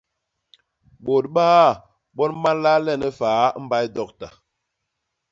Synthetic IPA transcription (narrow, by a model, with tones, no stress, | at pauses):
bo˨t̚ɓaː˦˨ | ɓɔ˦nma˦n˦la˦lɛ˦˨nə˦faː˨˦m̩˦ba˦jdɔ˦˨k̚ta˨